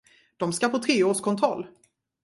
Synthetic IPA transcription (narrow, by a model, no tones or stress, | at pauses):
d̪̥ɔmskapʰot̪ʰɾeːoːʂkʰɔnt̪ʰɾɔlː